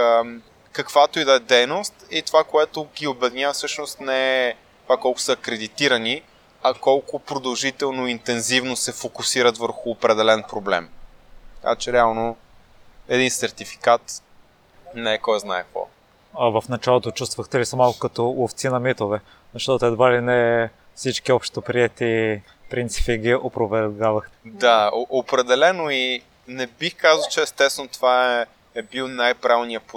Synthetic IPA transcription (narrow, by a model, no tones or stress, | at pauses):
kɐkv̥at̪oid̪ɐɛd̪ɛjnost̪it̪ovakoɛt̪ʊɡʲiobɛd̪inʲavfsɤʃnost̪nɛɛ | t̪ovakɔlˠkʊ̥səɐkɾɛd̪it̪iɾɐni | ɐkɔlˠkʊpɾod̪ɐlˠʒit̪ɛlˠnoint̪ɛnzivnosɛfokʊsiɾət̪vəɾxʊːpɾɛd̪ɛlɛnpɾoblɛ̰mt̪ɐ̥ka̰t͡ʃɛɾɛalˠno | ɛd̪insɛɾt̪ifi̥kat̪ | nɛkɔjznaɛkvɔ̰ | ɐvəfnɐt͡ʃalˠot̪ot͡ʃust̪vəxt̪ɛlisɐmalˠkokɐt̪ɔoft̪sinɐmit̪ovɛ | zɐʃt̪ɔt̪oɛd̪valinɛ | fsit͡ʃkiɔpʃtt̪opɾiɛt̪i | pɾint̪si̥piɡʲiʔopɾovɛɾɡavɐxt̪ɛ̥d̪aoʔopɾɛd̪ɛlɛnoi | nɛbixkazəlˠt͡ʃɛɛːst̪ɛst̪vɛnot̪ovaɛ | ɛbilˠnajpɾavnijəpo